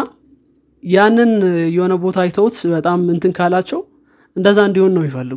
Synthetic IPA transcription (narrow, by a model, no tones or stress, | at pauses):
a | janːɨnjɛho̞nəbo̞t̪ʰajt̪ʰəwt̪bət̪ʼamɨnt̪ʰɨŋkʰalat͡ʃːɛw | ʔɨnd̪əzːaɨnd̪ihonːəwjɪfəlːɨɡ